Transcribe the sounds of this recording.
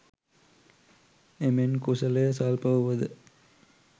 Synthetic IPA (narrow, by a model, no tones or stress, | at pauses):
emenkusɐlejɐsaːlpɐʋəʋɐd̪ɨ